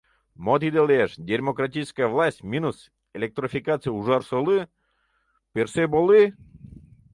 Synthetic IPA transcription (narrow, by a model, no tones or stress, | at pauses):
mot̪̬id̪elˠʲeʂd̪ʲeɾʲmokratʲiskəjəvlˠasʲtʲmʲinus | elʲek̚t̪ɾofʲikat̪sɨjuʐarsolˠɨ | pʲersebolˠɨ